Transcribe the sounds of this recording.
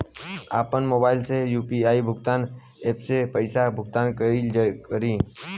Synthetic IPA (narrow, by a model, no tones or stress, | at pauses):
a̰ːpənmoːbaːɪlsejuːpiaːibʱʊɡt̪aːn | eːpsepəɪsabʱʊɡt̪aːnkəld͡ʒkəɾĩː